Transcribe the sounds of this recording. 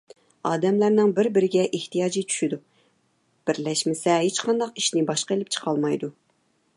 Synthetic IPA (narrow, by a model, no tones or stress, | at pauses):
ɑːd̪ɛmlæɾnɪŋbɪɾbɪɾɪɡʲɛʔeht̪ʰijɑːd͡ʒit͡ʃʰy̥ʃid̪u | b̥ɪɾlɛʃmɪsɛɦet͡ʃqʰɑnd̪ɑqiʃnɪbɑʃqelɪp̚t͡ʃʰə̥qʰɑlˠmɑjd̪u